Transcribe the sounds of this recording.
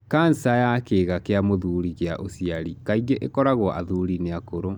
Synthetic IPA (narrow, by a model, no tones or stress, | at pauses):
kan̩sajaːkeːɣakeamoðuɾiɣeaʔosiaɾikaiɣeʔekɔɾaɣɔʔaðuɾineakoɾo